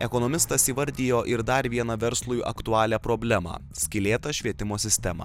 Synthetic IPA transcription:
ɛkonoːmʲɪst̪ɐsiːʋɐɾʲd̪ʲiːjoːʔɪɾd̪ɐɾʋʲiɛnɐʋʲɛɾslˠuːjʔɐ̰kt̪ʊɑːlʲæːpɾoːbʲlʲæmɑ̰ːsʲkʲɪlʲeːt̪ɐʃʲʋʲiɛt̪ʲɪmoːsʲɪsʲt̪ʲɛmɑ̰ː

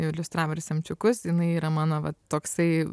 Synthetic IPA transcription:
jɛʊɪlʲʊst̪ɾɑːʋoːɾʲɪsʲɛmʲt͡ʃʲʊkʊsjɪnɐɪiːɾɐmɑːnoːʋɐtt̪oːksɐɪ

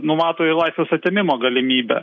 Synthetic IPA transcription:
nʊmɑːt̪oːɪlˠɐɪsʲʋʲeːsɐt̪ʲeɛmʲɪmoːɡɐlʲɪmʲiːbʲɛ̰

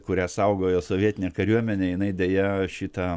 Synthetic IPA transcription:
kʊɾʲæːsɐʊɡoːjoːsoːʋʲiɛt̪ʲɪnʲeːkɐɾʲuɔmʲɛnʲeːjɪnɐɪd̪ʲeːjɛʃʲɪt̪ɐ

